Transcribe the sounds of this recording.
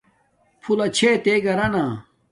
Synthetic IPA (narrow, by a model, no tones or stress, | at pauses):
pʰulɐt͡ɕʰet̪eɡɐɾɐnaː